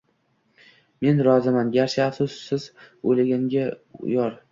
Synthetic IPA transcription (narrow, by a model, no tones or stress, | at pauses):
me̞nɾɒzɪmanɡʲaɾʃɪafsʊsːɪzolɪɡʲaŋɡʲaʊ̰jɒɾ